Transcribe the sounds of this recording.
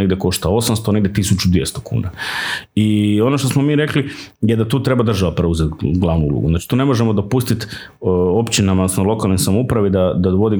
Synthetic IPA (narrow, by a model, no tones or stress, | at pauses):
eɡd̪ʲjeko̞ʃt̪ao̞samst̪oneɡd̪ʲet̪isut͡ʃud̪ʋjḛst̪okṵːnaio̞noʃt̪osmomiːɾe̞klijed̪at̪uːt̪ɾe̞bad̪ɾr̩ʒaʋapɾeuzet̪ɡlˠaʋnuṵlˠṵɡuznat͡ʃi̥t̪uːne̞mo̞ʒemod̪o̞pust̪it̪ | o̞pt͡ɕinamaosnolˠo̞kalˠnojsamoupɾaʋid̪ad̪ad̪ʋo̞d̪i